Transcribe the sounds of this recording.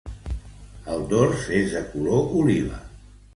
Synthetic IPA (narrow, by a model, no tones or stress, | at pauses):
əlˠd̪oɾsezðəkuloʔuliβə̰